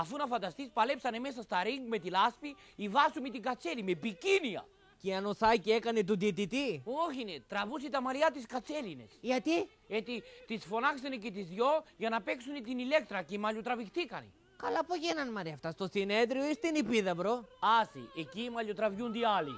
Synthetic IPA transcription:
ɐfunɐfɐnd̪ɐst̪ispɐle̞psɐne̞me̞s̬ɐst̪ɐɾiŋɡme̞t̪ilɐspi | ivɐsumet̪iŋɡɐt͡se̞limepiciniɐ̰ | ceɐnoθɐcie̞kɐnet̪̬ud̪it̪it̪ioçinet̪ɾɐvusit̪ɐmɐɾiɐt̪iskɐt͡se̞line̞̰sʝɐt̪i | et̪it̪isfo̞nɐksenecet̪izðʝo̞ʝɐnɐpe̞ksunet̪inile̞k̚t̪ɾɐcemɐʎot̪ɾɐvixt̪ikɐnḛ | kɐlɐpoʝenɐnmɐɾiɐft̪ɐst̪o̞sine̞ðɾioist̪inipiðɐbɾoɐsḭʔecimɐʎot̪ɾɐvʝund̪ialḭ

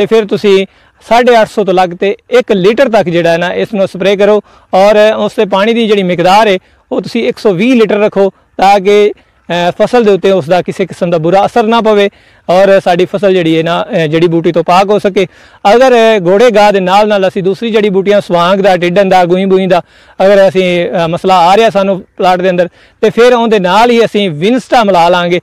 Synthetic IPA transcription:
t̪eːpʰɪɾt̪ʊsĩː | saːɖeːəʈʰsɔːt̪õːləɡt̪eːɪkliːʈəɾt̪əkd͡ʒeːɽaːɛnãːʔɪsnũːsəpɾeːk̬əɾoː | ɔːɾʊsd̪eːp̬aːɽ̃iːd̪iːd͡ʒeːɽiːmɪkd̪aːɾɛː | oːt̪ʊsĩːɪksɔːʋiːliːʈəɾːəkʰoː | t̪ãːk̬ɪ | pʰəsəld̪eːʊt̪ːeːʊsd̪aːkɪseːkɪsəmd̪aːbʊɾaːəsəɾnaːp̬əʋeː | ɔːɾsaːɖiːpʰəsəld͡ʒeːɽiːeːnaːd͡ʒeːɽiːbuːʈ̬iːt̪õːpaːkɦoːsəkeː | əɡəɾɡoːɽeːɡaːd̪eːnaːlnaːləsĩːd̪uːsɾiːd͡ʒeːɽiːbuːʈɪjãːsʊʋãːɡd̪aːʈɪɖə̃nd̪aːɡʊːĩːbuĩːd̪aː | əɡəɾəsĩːməslaːaːɾeːaːsaːnũːplaːʈd̪eːənd̪əɾ | t̪eːpʰɪɾõːd̪eːnaːlɦiːəsĩːʋɪnsʈaːməlaːlãːŋɡeː

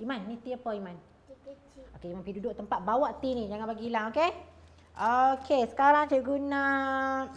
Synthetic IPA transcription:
imãnːĩt̪iəpɔimãn | okeimãnpidudoʔt̪əmpat̪̚bawaʔt̪inĩd͡ʒaŋãnbaɡilaŋoke | ʔokʰesə̥kaɾaŋt͡ʃəʔɡuna

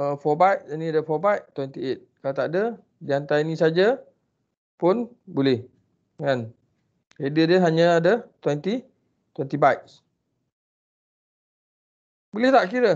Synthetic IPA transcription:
əfɔbajʔ̚nĩadəfɔbajʔt̪wɛnt̪iet̪̚kalat̪aʔdə | diant̪ainĩsad͡ʒa | pʊn | bulɛh | ŋan | edədəɦaɲə̃adət̪wɛnt̪i | t̪wɛnt̪ibajks | bulɛht̪aʔkiɾə

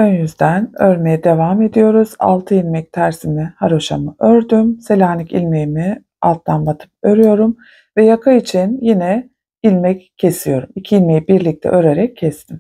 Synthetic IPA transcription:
ønjyzd̪ænøɾme̞jɛd̪e̞vaːme̞d̪ijo̞ɾuz̥a̰lˠt̪ʰɯilʲmɛc̚t̪ʰæɾsimihaɾoʃa̰mɯʔøɾd̪ymse̞lʲaːnicḭlʲmejimi | a̰lˠt̪ʰːanbat̪ʰɯ̥p̚øɾyjo̞ɾum | vɛjakʰait͡ʃʰinjinɛ | ilʲmɛcʰːe̞sijo̞ɾumicʰiilʲmejibiɾlʲic̚t̪ʰɛ̰ʔøɾe̞ɾɛcʰːɛst̪ʰim

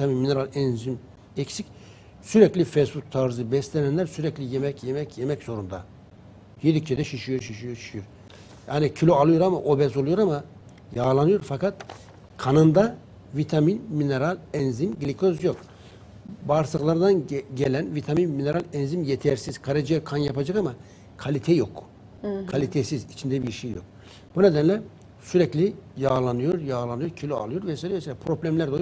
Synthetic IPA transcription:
it̪ʰaminmineɾalʲɛnzim | ɛcsicʲ | syɾɛclʲifesbuk̚t̪ʰaɾzɯbɛslʲenɛnlʲæɾsyɾɛclʲijemɛcʰjemɛcʰjemɛcz̥o̞ɾund̪a | jed̪icʲt͡ʃʰed̪ɛʃiʃijoɾʃiʃijoɾʃi̥ʃijoɾ | jaːnicʰilʲoalˠɯjoɾamaʔobɛsolˠujoɾama | jaːlˠanɯjoɾfakat̪ | kʰanɯnd̪a | vit̪ʰaminmineɾalʲɛnzimɟlʲikʰozjo̞k | baːɾsɯklˠaɾd̪anɟelʲænvit̪ʰaminmine̞ɾalʲɛnzimjet̪ʰɛɾsiz̥kʰaɾad͡ʒjakʰanjapad͡ʒakama | kʰalʲit̪ʰɛjo̞k | kʰalʲit̪ʰesizit͡ʃʰind̪ɛbiɾʃejːjo̞̰k̚ | b̥uned̪ænlʲɛ | syɾɛclʲijaːlˠanɯjoɾjaːlˠanɯjoɾcʰilʲoa̰lˠɯjo̞ɾvɛsajlʲɛeselʲapʰɾo̞blʲæmlʲæɾd̪olˠ

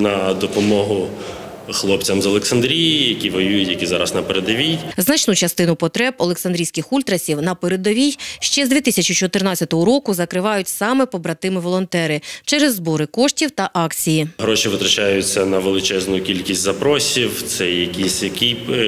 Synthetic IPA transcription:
nɐd̪ɔpɔmɔɦʊ | xlˠɔp̚t͡sʲɐmzɐlˠeksɐnd̪ɾʲijijɐkʲiʋɔjujʊjɐkʲizɑɾɐsnɐpeɾed̪ɐʋʲijznɐt͡ʃnut͡ʃɐst̪ɪnʊpɔt̪ɾɛbɔlˠeksɐnd̪ɾʲijsʲkɪxulʲt̪ɾɐsʲiwnɐpeɾed̪ɔʋʲijʃt͡ʃɛzd̪ʲʋʲit̪isʲɐt͡ʃit͡ʃɔt̪ɪrnɑt͡sʲːɐt̪ɔɦɔɾɔkʊzɐkɾɪʋɑjʊtʲsɑmɛpɔbɾɐt̪ɪmɪʋɔlˠɔnt̪ɛɾɪt͡ʃɛɾɛzːbɔɾɪkɔʂtʲiwt̪ɐʔɑkt͡sʲijiɦɾɔʃiʋɪt̪ɾɐt͡ʃajʊt͡sʲːɐnɐʋelˠɪt͡ʃɛznʊjʊkʲilʲkʲisʲtʲzɐpɾɔsʲiwt̪sɛjɐkʲisʲjɐkʲi

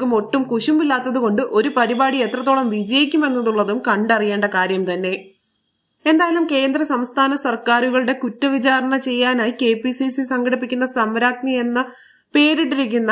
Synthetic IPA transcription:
umo̞ʈːumkuɕumbilːaːt̪ːɐðuko̞ɳɖɨʔo̞ɾupɐɾibaːɽie̞t̪rɐt̪̬ːo̞ːɭɐmʋid͡ʑɐjikʲːume̞nːɐðuɭːɐðumkɐɳɖɐrijeːɳɖɐkaːɾjɐmt̪ɐnːe̞ | end̪aːjɐlumke̞ːnd̪rɐsɐmst̪ʰaːnɐsɐrkaːɾuɣɐɭuɽe̞kutːɐʋit͡ɕaːɾɐɳɐt͡ɕe̞jːaːnaːjike̞ːpisisilsɐŋɡɐɽip̬ːikʲːunːɐsɐmɐɾaːk̚njɐje̞nːɐ | pe̞ːɾiʈːiɾik̬ʲːunːɐ

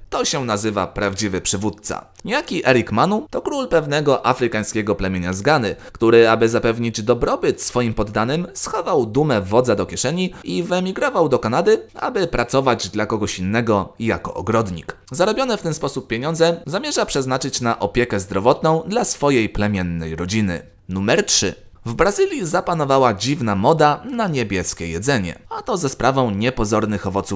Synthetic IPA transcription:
t̪ɔɕɛnazɘva̰pɾavd͡ʑivɘpʂɘvut̪̚t̪sa̰ | ɲjakʲiʔɛɾikmanut̪ɔkɾulpɛvn̪ɛɡɔʔafɾɘkaj̃skʲɛɡɔplɛmʲjeɲazɡanɘkt̪uɾɘabɘzapɛvɲid͡ʑd̪ɔbɾɔbɘt̪sfɔjimpɔd̪ːanɘmsxɔvawd̪umɛvɔd̪zad̪ɔkʲjɛʂɛɲiivɛmʲiɡɾɔvawd̪ɔkanad̪ɘa̰bɘpɾat̪sɔvad͡ʑd̪lakɔɡɔɕinːɛɡɔja̰kɔ̰ʔɔɡɾɔd̪ɲḭk | zaɾɔbʲjɔnɛft̪ɛnspɔsup̚ːʲjeɲɔnd̪zɛzamʲjɛʐapʂɛznat͡ʂɘt͡ɕnaʔɔpʲjɛkɛzd̪ɾɔvɔt̪nɔ̃w̃d̪lasfɔjejplɛmʲjɛnːɛjɾɔd͡ʑinɘ̰ | numɛɾtʂɘ̰ | vbɾazɘlʲjizapanɔvawad͡ʑivnamɔd̪anaɲebʲjɛskʲɛjɛd̪zɛɲɛ̰at̪ɔzaspɾʔavɔ̃w̃ɲɛpɔzɔɾnɘxɔvɔt̪su

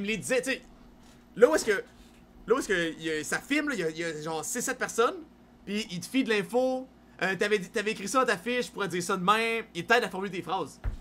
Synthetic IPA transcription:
imled̪izɛt̪t͡se | lɔwɛskə | lɔwɛskəjsafɪlmlʌijʌijʌʒɑ̃ːʁsɪsːɛt̪̚pɛʁsɔn | piit̪əfid̪əlɛ̃fo | ʔøt̪yavɛit̪yavɛekʁisɔt̪afɪʃtpuʁɛdziːʁsʌd̪əmɛ̃milt̪ɛːd̪afɔʁmylet̪eːfχaːz

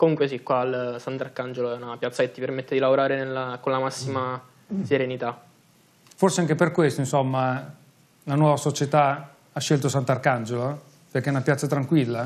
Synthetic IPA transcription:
komuŋkwesikwaːlsant̪arkand͡ʒoloɛunapjat̪saket̪ːipermet̪ːed̪ilavoɾaːɾenelːakonlamasːima | seɾenit̪a | forseaŋk̟eperkwest̪oinsomːa | lanwɔvasot͡ʃet̪a | aʃːelt̪osant̪arkand͡ʒolo | perkːeɛunapjat̪sat̪ɾaŋkwilːa

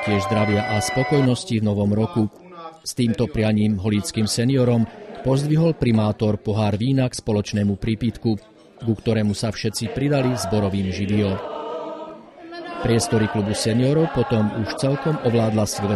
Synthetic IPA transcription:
cɪɛʒzd̪ɾaʋɪaʔaspɔkɔjnɔscivnɔʋɔmɾɔku | st̪iːmt̪ɔpɾɪaɲiːmɦɔliːt͡skiːmsɛniɔɾɔmpɔzd̪ʋiɦɔlpɾimaːt̪ɔɾpɔɦaːɾʋiːnakspɔlɔt͡ʃnɛːmupɾiːpit̪ku | ɡukt̪ɔɾɛːmusafʃɛt͡sipɾid̪alizbɔɾɔʋiːmʒiʋiɔ | pɾɪɛst̪ɔɾiklubusɛniɔɾɔʊpɔt̪ɔmuʃt͡sɛlkɔmɔʋlaːd̪lasʋɛ

